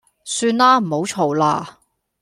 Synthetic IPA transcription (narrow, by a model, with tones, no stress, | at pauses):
syː˧nlaː˥m̩˨˩ho˨˥wt͡ʃʰo˨˩wlaː˧